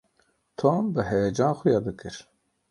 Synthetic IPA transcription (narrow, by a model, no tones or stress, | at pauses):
t̪ʰoːmbɨɦɛjɛd͡ʒɑːnxʊjɑːd̪ɨkɨɾ